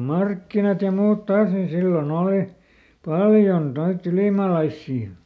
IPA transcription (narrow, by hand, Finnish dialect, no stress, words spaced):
mɑrkːinɑt jɑ muːt tɑːs nin silːon oːli pɑljon noitː yliˑmɑˑlɑisːiː